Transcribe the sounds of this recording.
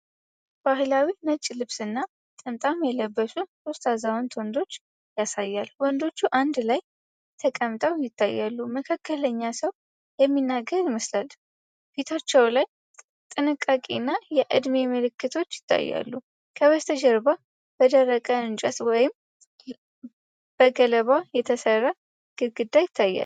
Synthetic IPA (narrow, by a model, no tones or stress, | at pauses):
b̥aɦlawinət͡ʃʼːlɨβsɨnːa | t̪ʼɨmt̪ʼamjɛləbːəsusost̪azawont̪ʰond̪o̞t͡ʃː | jasajːalwɔnd̪o̞t͡ʃːuʔand̪laj | t̪ʰəkʼəmt̪ʼəwjɪt̪ʰːajːalːuməkʰakʰːələɲːasəw | jɛmːinːaɡəɾɪməslal | fit̪ʰat͡ʃːɛwlaj | t̪ʼɨnɨkʼːakʼḭnːajɛʔɨd̪memɨlɨkːɨt̪ʰo̞t͡ʃːjɪ̥t̪ːa̰jːa̰lːu | kʰəwəst̪ʰəd͡ʒɛɾba | b̥əd̪ərːəkʼəɨnt͡ʃʼət̪wɔjɪm | b̥əɡələβajɛt̪ʰəsərːa | ɡ̥ɨɡɨd̪ːajɪt̪ʰːajːa̰l